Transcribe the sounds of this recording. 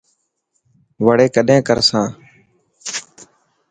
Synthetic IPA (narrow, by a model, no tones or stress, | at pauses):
ʋəɽeːkəɗẽːkəɾsãː